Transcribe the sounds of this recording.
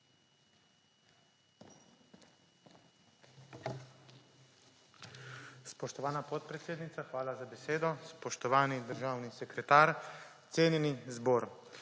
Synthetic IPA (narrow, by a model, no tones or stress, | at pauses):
spɔʃt̪ɔʋaːnapɔt̪̚pɾɛt̪seːd̪nit̪saxʋaːlazabɛseːd̪ɔspɔʃt̪ɔʋaːnid̪əɾʒaːwnisɛkɾɛt̪aːɾt̪seːnjɛnizbɔːɾ